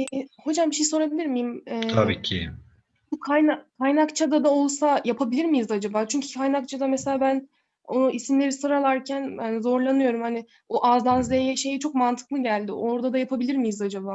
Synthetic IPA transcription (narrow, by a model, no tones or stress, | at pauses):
ɛho̞d͡ʒambiʃejso̞ɾabilʲiɾmijimɛːt̪ʰabḭːcʰḭ | bukʰajnakʰajnakt͡ʃʰad̪ad̪ao̞lˠsajapʰabilʲiɾmijizad͡ʒabaːt͡ʃʰyɲcʰy̥kʰajnak̚t͡ʃʰad̪ameselʲaːbæn | oʔisimlʲe̞ɾisoɾalˠaɾcʰænbænzo̞ɾlˠanɯjo̞ɾumhanɪ | oʔazd̪anzlejɛʃe̞jit͡ʃʰo̞kmant̪ʰɯ̥klˠɯɟælʲd̪ɪ̰ʔo̞ɾd̪ad̪ajapʰabilʲiɾmijizad͡ʒabaː